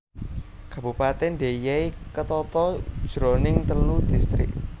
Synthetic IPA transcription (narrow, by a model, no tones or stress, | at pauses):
kabupat̪ɛnd̪e̤jeikət̪ɔt̪ɔ̥ʒ̥ɾonɪŋt̪əlud̪̥ist̪ɾɪ̰k̚